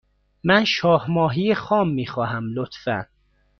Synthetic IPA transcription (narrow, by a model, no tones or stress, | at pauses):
mænʃɒːhmɒːɦijexɒːmːiːxɒːɦæmlot̪fæ̰n